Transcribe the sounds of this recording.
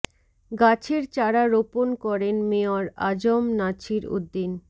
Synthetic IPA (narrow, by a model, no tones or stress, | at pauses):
ɡat͡ɕʰeɾt͡ɕaɾaɾoponkɔɾenmeaɾa̰d͡ʑomnat͡ɕʰiɾo̰d̪ːin